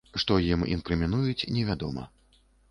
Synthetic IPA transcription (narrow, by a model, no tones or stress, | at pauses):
ʂt̪ɔjimḭnkɾɨmʲinujut͡sʲnʲɛvʲad̪ɔmɐ̰